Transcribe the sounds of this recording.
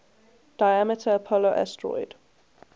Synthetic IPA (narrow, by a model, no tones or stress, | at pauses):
d̥ajamɪtʰəːpʰɔloʔɛ̰stɹɔ̰ɪd̥